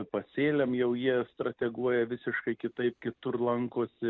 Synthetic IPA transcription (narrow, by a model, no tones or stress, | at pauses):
pɐsʲeːlʲɛmjɛʊjiɛst̪ɾɐt̪ʲɛɡuɔjɛʋʲɪsʲɪʃkɐɪkʲɪt̪ɐɪp̚kʲɪt̪ʊrlˠɐŋkoːsʲɪ